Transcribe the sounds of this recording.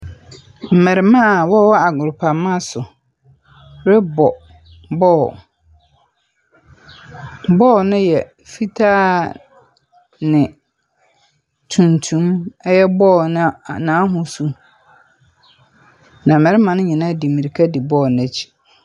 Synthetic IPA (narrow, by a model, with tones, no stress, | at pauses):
m̩˨mɛ̃˨ɾɪ˦mã˦˨wɔ˦wɔ˦a˨ɡʊ˨ɾpʰa˨mã˦sʊ˨ | ɾɪ˦bɔ˨ | bɔː˦˨ | bɔː˦˨nɪ̃˦jɛ˨ | fi˦tʰaː˦ | nɪ̃˨ | tʰũ˨ntʰũ˨˦mɛ˦jɛ˦bɔː˦˨nɪ̃˦˨nãː˨˦ɦʊ̃˨su˦ | nã˨mɛ̃˨ɾɪ˦mã˨nʊ̃˦ɲɪ̃˨nã˦˨di˨mi˨ɾi˨kʰa˦di˨bɔː˦˨nɛ̃˨t͡ɕʰi̥˨